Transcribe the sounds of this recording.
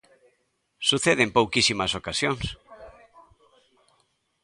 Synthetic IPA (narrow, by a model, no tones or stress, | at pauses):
suθeðempowkisimasokasjoŋs